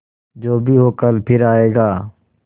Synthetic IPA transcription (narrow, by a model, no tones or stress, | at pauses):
d͡ʒoːbʱiːɦoːkəlpʰɪɾaːeːɡaː